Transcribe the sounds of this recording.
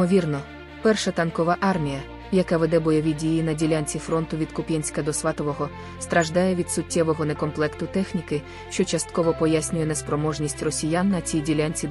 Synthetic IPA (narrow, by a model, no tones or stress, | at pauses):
ɔʋʲirnɔ | pɛrʃɐt̪ɐnkɔʋaʔɑrmʲijɐ | jɐkaʋed̪ɛbɔjɔʋʲidʲijinɐdʲilʲanʲt͡sʲifɾɔnt̪ʊʋʲid̪kʊpʲinʲsʲkɐd̪ɔsʋɑt̪ɔʋɔɦɔ | st̪ɾɐʒd̪ɑjɛʋʲid̪sʊtʲːɛʋɔɦɔnekɔmplˠɛkt̪ʊt̪ɛxnʲikɪ | ʃt͡ʃɔt͡ʃɐst̪̚kɔʋɔpɔjasʲnʲʊjɛnɛspɾɔmɔʒnʲisʲtʲrɔsʲijanːɐt͡sʲijdʲilʲanʲt͡sʲi